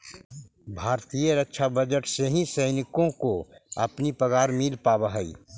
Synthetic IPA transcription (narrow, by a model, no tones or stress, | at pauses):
bʱaːɾt̪ijəɾətːʃʰabəd͡ʒəʈseɦĩsɐɪnɪkõkoɐpnipəɡaːɾmɪlpaːbaɦəḭ